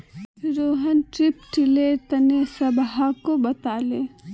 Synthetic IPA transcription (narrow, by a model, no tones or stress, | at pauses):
ɾoːɦənʈɾɪpʈɪlet̪ɐnesɐbɦakobɐt̪aːleː